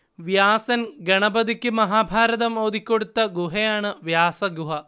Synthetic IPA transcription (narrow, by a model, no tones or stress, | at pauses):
ʋjaːsɐnɡɐɳɐbɐd̪ikʲːɨmɐɦaːbʱaːɾɐd̪ɐmoːd̪ikʲːoɽut̪ːɐɡuɦejaːɳɨʋjaːsɐɡuɦɐ